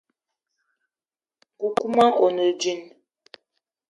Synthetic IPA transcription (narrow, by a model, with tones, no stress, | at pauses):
ku˨ku˦ma˦ʔo˨nə˨d͡ʒi˦n